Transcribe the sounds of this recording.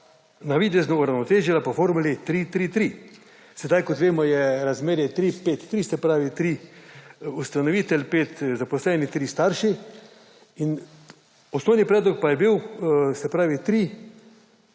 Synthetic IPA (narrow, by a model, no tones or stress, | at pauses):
naʋiːd̪ɛznɔuɾawnɔt̪eːʒjɛlapofoːɾmulit̪ɾit̪ɾiːt̪ɾi | sɛd̪ajkɔt̪ʋeːmɔjɛɾazmeːɾjɛt̪ɾiːpeːt̪ːɾiːsɛpɾaːʋit̪ɾi | ust̪anɔʋiːt̪ɛlpeːt̪zapɔslɛːnit̪ɾist̪aːɾʃi | in | ɔsnɔwnipɾɛːd̪lɔk̚pajɛbiwsɛpɾaːʋit̪ɾi